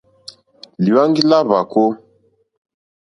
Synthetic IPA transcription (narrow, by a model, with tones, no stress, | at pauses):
li˨wa˦ŋɡi˦la˦βa˨ko˦